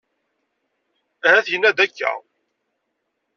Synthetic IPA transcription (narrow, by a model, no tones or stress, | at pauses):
ɾæθjənːæd̪ækːæ̰